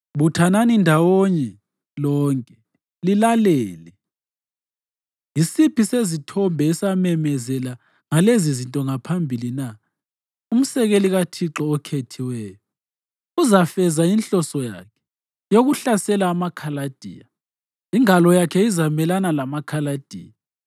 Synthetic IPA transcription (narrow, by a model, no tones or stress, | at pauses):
βutʰananindʱawoɲɛ | lɔːŋkʼɛ | lilalɛːlɛ | jisipʰisezitʰɔmbʱɛisamɛmɛzɛla | ŋalezizintʼɔŋapʰambʱilina | um̩sɛɣeliɣatʰiǁɔːkʰetʰiwɛːjɔ | uzafɛzainɬʼɔsɔja̰kʰɛ̥ | joɣuɬasɛlaːmakʰalad̥ʱḭja | iŋalɔjakʰɛizamɛlanalamakʰalad̥ʱḭːja